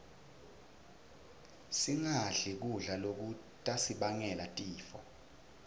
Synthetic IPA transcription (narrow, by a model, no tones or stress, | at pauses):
siŋaɮik̬uɮalok̬u | tʼasiɓaŋɛlatʼiːfɔ̰